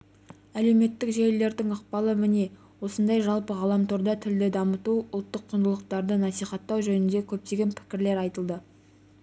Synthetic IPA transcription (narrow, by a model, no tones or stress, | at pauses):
æle̞wme̞t̪ːɪkʒejlːe̞ɾd̪ɪŋəqpɑlˠəmɪne̞ | wo̞sənd̪ɑjʒɑlˠpəʁɑlˠɑmt̪ʰoɾd̪ɑt̪ʰɪld̪ɪd̪ɑmət̪uʊlˠt̪ːəqʰːʊnd̪əlˠəqt̪ɑɾd̪ənɑsijχɑt̪ːɑwʒɵnɪnd̪e̞kʲʰɵp̚t̪e̞ɡʲe̞npʰɪ̥kʲɪɾle̞ɾɑjt̪əlˠd̪ə